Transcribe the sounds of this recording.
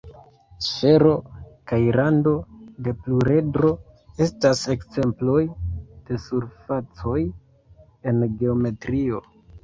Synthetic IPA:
fe̞ɾo̞kajɾando̞de̞pluɾe̞dɾo̞ | e̞stase̞kze̞mplo̞jd̥e̞suɾfat͡so̞j | e̞nɡe̞ome̞tɾio̞

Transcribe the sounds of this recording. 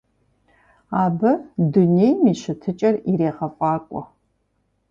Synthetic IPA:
aːbɐdunejmiːɕɪtʰɨt͡ʃʼɐriɾeːʁɐfʼɑːkʷʼɔ̰

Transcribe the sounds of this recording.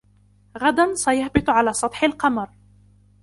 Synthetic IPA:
ɣad̪ansajahbɪt̪ˤʕalaːsˤɑt̪ˤħɪlqɑmɑɾˤ

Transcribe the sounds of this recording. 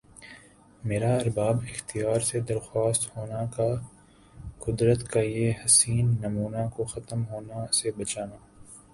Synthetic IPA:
meːɾaɐɾbaːbɪxt̪ijaːɾsed̪ɐɾxaːst̪hoːnaka | kʊd̪ɾət̪kajehɐsiːnːɐmuːnakoxɐt̪əmɦoːnasebɐt͡ʃaːnaː

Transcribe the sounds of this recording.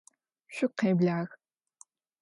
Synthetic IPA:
ɕʷʊqeːbɮaːɣ

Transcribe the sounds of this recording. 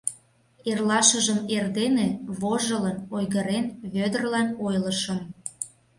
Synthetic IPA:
erlɑʃəʒəmerd̪eneβoʒələnojɣəɾenβød̪ərlɑnojləʃəm

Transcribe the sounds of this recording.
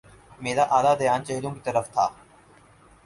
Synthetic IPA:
meːɾaːʔaːlaːd̪əjaːnt͡ʃəɦlõːkit̪əɾəft̪ʰa̰ː

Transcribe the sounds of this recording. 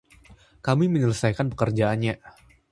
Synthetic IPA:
kamiməɲələsajkanpə̥kərd͡ʒaanɲa

